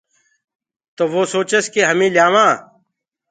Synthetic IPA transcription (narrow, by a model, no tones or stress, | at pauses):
t̪oʋosoːt͡ɕɐskeɦɐmĩːljaːʋãː